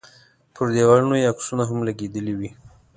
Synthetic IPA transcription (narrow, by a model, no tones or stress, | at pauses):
pʰəɾd̪ewaɾunojeaksunaɦamlaɡed̪əliwi